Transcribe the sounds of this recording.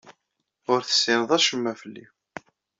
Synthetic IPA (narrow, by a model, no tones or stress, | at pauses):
ʊɾθə̥sːɪnəðˤæʃəmːæfəlːḭ